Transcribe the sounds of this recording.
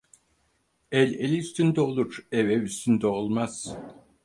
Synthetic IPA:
ɛlʲelʲiyst̪ʰynd̪ɛolˠuɾɛvɛvyst̪ʰynd̪ɛolˠmaz̥

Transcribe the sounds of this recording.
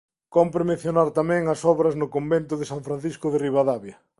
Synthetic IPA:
kompɾemẽnθjonaɾt̪amɛ̃ŋɐsɔβɾɐznʊkombent̪ʊðɪsaɱfɾãn̟θiskʊðɪriβaðaβjɐ

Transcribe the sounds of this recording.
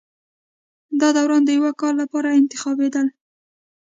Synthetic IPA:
d̪ɑd̪awɾɑnd̪əjawakɑɾlapɑɾaɪnt̪ɪxɑbed̪əl

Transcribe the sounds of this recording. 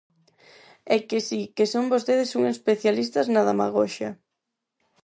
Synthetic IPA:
ɛkɪsikesoŋbost̪eðɪsuŋespeθjalis̬t̪ɐznaðamaɣ̞oʃɐ̰

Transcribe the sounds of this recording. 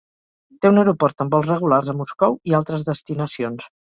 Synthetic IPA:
t̪eunəwɾupɔɾt̪əmbɔlˠzrəɣ̞ularzəmuskɔwialˠt̪ɾəzðəst̪inəsions

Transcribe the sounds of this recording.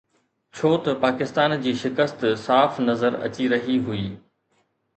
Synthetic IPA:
t͡ɕʰoːt̪ɐpaːkɪst̪aːnd͡ʑiːʃɪkəst̪saːfnɐzəɾɐ̰t͡ɕiɾɐɦiɦʊiː

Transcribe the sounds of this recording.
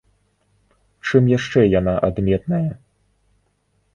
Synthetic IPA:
t͡ʂɨmjaʂt͡ʂɛjanaʔad̪mʲɛt̪nɐjɐ

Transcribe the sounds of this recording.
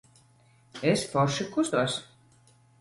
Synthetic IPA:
esfɔɾʃikust̪uɔs

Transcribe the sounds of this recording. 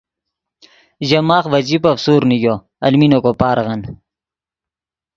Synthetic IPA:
ʑɐmaːχʋɐd͡ʑipɐfsuːɾnijo | ɐlminokopaːɾɣɐn

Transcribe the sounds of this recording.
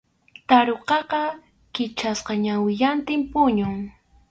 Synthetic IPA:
t̪aɾoqɑqɑ | kɪt͡ʃasqɑɲawɪʎant̪ɪmpʊɲʊŋ

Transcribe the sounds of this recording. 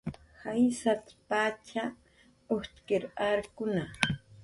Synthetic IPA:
hajsat̪pat͡ʃa | oht̪kɪɾaɾkʊna

